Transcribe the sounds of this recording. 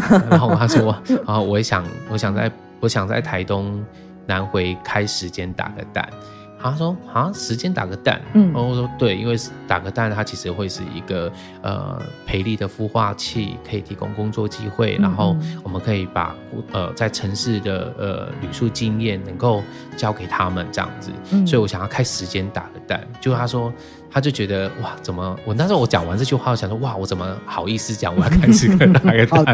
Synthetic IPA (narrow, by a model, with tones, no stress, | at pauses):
a˥ʂwɔ˥˦ɔ˧˦wɔ˧˦ɕjɑ˨˩ŋwɔ˧˦ɕjɑ˨˩ŋt͡sa̰˥˩ɪ | ɔ˧˥ɕjɑ˨˩ŋt͡sa̰˥˩ɪt̪ʰa˧˥ɪt̪ʊ˦ŋ | na˧˦nxwe˧˥ɪkʰa˥ɪʂɻ̩˧˥t͡ɕjɛ˦˥nt̪a̰˨˩ɡə̰˦t̪a̰˥˩nʰ | a˥ʂwɔ˥ha˨˥˦ʂɻ̩˧˦t͡ɕjɛ˥nt̪a̰˨˩ɡə˧˦t̪a̰˥˨n˨˧˩ʂwɔ˥t̪we˥˩ɪḭ˦˥nwe˥˧ɪʂ̩˥˩t̪a̰˨˩ɡə˦t̪a˥˧˩nt̪ʰa˥t͡ɕʰi˧˥ʂɻ̩˧xwe˥˧ɪʂɻ̩˥˩ḭ˧˥ɡə˨˩ | ə̰˩pʰe˧˥ɪli˥˩d̪ə˩fu˥˧xwa̰˥˧t͡ɕʰḭ˥˨kʰɤ˧˥i˨˩t̪ʰi˧˥kʊ̰˥ŋkʊ˥ŋt͡swɔ˥˨t͡ɕi˦˥xwe˥˩ɪna˧˦nxo˥˩ʊwɔ˨˩mə˦nkʰɤ˧˥i˨˩pa̰˨˩ | ə̰˨t͡sa˥˩ɪʈ͡ʂʰə˧˥ŋʂɻ̩˥˩d̪ə̰˩ə̰˩ly̰˨˩ʂu˥˧t͡ɕi˥njɛ˥˩nːə˧˥ŋko˥˧ʊ | t͡ɕjɑ˥ʊke˨˩ɪt̪ʰa˦mə˨nʈ͡ʂɤ˧jɑ̰˥˩ŋd͡z̩˨˩wɔ˧˥i˨wɔ˧˦ɕjɑ˨ŋjɑ˥˩kʰa˥ɪʂɻ̩˧˥t͡ɕjɛ˦nt̪a˨˩ɡə˦t̪a̰˥˩˨nt͡ɕjo˥˧ʊʂt̪ʰa˥ʂwɔ˥ | t̪ʰa˥t͡ɕjo˥˩ʊt͡ɕɥɛ˧˥d̪ə˧wa˥˩t͡sə˨˩nmə˦wɔ˨na˥ŋʂwɔ˧˦t͡ɕjɑ˨˩ŋwa̰˧˦nt͡s̩˥˧t͡ɕʰo˥˧xa˥˩˧ɕjɑ˨ŋ˩ʂwɔ˥wa˥˩wɔ˨˦t͡sə˨˩nmə˦xɑ˨˩ʊi˥˧sɹ̩˧˩t͡ɕjɑ̰˧˦ŋwɔ˨˦jɑ˥kʰa˥ɪʂ̩˧˥kə˥˧t̪a˨˩ɡə˧˦t̪